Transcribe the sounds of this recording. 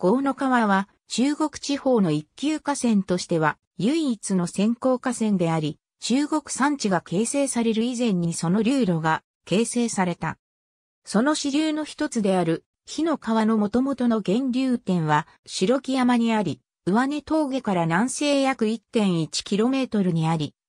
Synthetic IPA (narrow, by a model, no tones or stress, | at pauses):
ɡ̥o̞ːno̞kaβaβa | t͡ɕɨːɡo̞kɯ̟̥t͡ɕiho̞ːno̞ikʲːɨːkasẽ̞nt̪o̞ɕi̥t̪e̞β̞a | jɯ̟iːt͡sɨno̞sẽ̞ŋko̞ːkasẽ̞nd̪e̞aɾʲi | t͡ɕɨːɡo̞kɯ̟̥sãɲ̟t͡ɕiɡake̞ːse̞ːsaɾe̞ɾɯizẽ̞ɲ̟ːiso̞no̞ɾʲɨːɾo̞ɡa | ke̞ːse̞ːsaɾe̞t̪a̰ | so̞no̞ɕiɾʲɨːno̞çi̥t̪o̞t͡sɨd̪e̞aɾɯ̟ | çino̞kaβano̞mo̞t̪o̞mo̞t̪o̞no̞ɡẽ̞ɲɾʲɨːt̪ẽ̞ɰ̃βa | ɕiɾo̞kʲijamaɲ̟iaɾʲi | ɯ̟βane̞t̪o̞ːɡe̞kaɾanãɰ̃se̞ːjakɯ̟it̪ːẽ̞ɰ̃it͡ɕi̥kʲiɾo̞me̞ːt̪o̞ɾɯ̟ɲ̟iaɾʲi